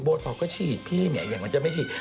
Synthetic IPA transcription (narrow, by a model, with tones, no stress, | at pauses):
boː˧t̪ʰɔ˨˩kːɔ˥˩t͡ɕʰiː˨˩t̪̚pʰiː˥˩˨mḭ˨˦˨jaː˨˧˩ŋma˧nt͡ɕa˨˧˩ma˥˩t͡ɕʰiː˨˩